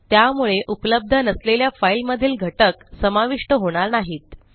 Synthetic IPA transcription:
t̪jamuɭeʔupələb̚d̪ʱənəsleljafailməd̪ʱiːlɡʱəʈəksəmaʋiʂʈəɦoɽ̃aɾnaɦiːt̪̚

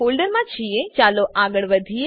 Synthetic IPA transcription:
olɖəɾmãt͡ʃʰiet͡ʃaloʔaɡəɭʋəd̪ʱie

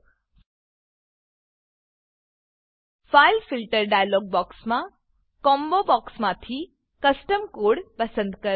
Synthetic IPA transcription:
fajlfilʈəɾɖajlɔːɡ̚bɔːksmã | kɔːmbobɔksmãt̪ʰiː | kɐsʈəmkoːɽpɐsənd̪kɐɾ

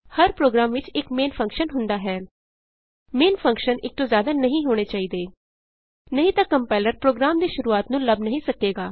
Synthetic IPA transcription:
həɾpɾoːɡɾaːmʋɪt͡ʃɪkmeːnpʰə̃ŋkʃənɦʊnd̪aːɦɛː | meːnpʰə̃ŋkʃənɪk̚t̪õːzjaːd̪aːnəɦĩːɦoːɽ̃eːt͡ʃaːiːd̪eː | nəɦĩːt̪ãːkəmpɛːləɾpɾoːɡɾaːmd̪iːʃʊɾuːaːt̪nũːləbnəɦĩːsəkeːɡaː

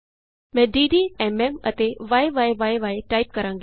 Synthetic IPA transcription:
mɛ̃ːɖiːɖiːɛmɛmət̪eʋaːeʋaːeʋaːeʋaːeʈaːip̚kɐɾãːŋɡi

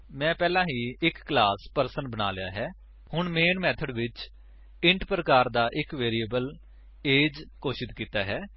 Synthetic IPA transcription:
mɛ̃ːpɛːlãːɦiːɪkːlaːspəɾsənbəna̰ːlɪja̰ːɦɛː | hʊɳmeːnmɛːt̪ʰəɖʋɪt͡ʃ | ɪɳʈpɾəkaːɾd̪aːʔɪkʋeːɾiːəbəl | eːd͡ʒkoːʃɪt̪kiːt̪aːɦɛː

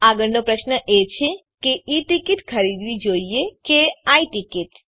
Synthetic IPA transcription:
aɡəɾnopɾəʃnəʔet͡ʃʰe | keiʈikiʈkʰəɾid̪ʋid͡ʒoiekeaiʈikiʈ

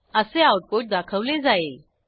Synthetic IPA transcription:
əseauʈ̚poʈ̚d̪akʰəʋled͡zae

